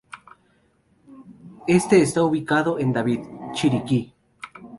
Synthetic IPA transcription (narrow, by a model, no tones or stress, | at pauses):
est̪eːst̪auβikaðoʔend̪aβid̪t͡ʃiɾiki